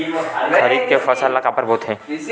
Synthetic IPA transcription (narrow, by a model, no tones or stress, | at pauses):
xɐɾiːd̪̚kefɐsəlːɐɡaːpəɾboːt̪ɦɛ̃ː